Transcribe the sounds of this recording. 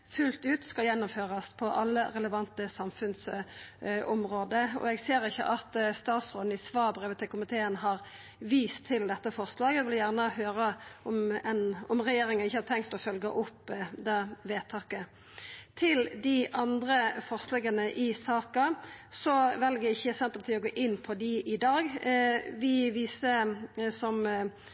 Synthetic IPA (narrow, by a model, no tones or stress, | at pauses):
fʉlt̪ʉːt̪skɑljɛnːʊmføːʁɑspʰɔʔɑlːəɾɛləʋɑnt̪əsɑmfʉns | ɔmʁoːd̪əɔ̰ɛɡseːɾɪçːə̰ʔɑt̪st̪ɑːt̪sʁoːd̪n̩ɪsʋɑːbʁeːʋət̪ʰɪkʰʊmɪt̪ʰeːənɦɑʁ | ʋiːst̪ʰːɪld̪ɛt̪ːəfɔʁslɑːɡjæɡʋɪljæʁnəhøːɾəɔmɛnɔmʁɛjeːɾɪŋənɪçːəhɑt̪ʰɛŋkt̪ɔfœlɡəʔʊpːd̪ɛʋeːt̪ʰɑːkə | t̪ʰɪld̪ɪʔɑnd̪ɾəfɔʁslɛːɡənəʔɪsɑːkɑsɔʋɛlɡəɪçːəsɛnt̪əpʰɑt̪ʰiːəɔɡoːʔɪnːpʰɔd̪ɪʔɪd̪ɑːɡʋɪʋiːsəsɔm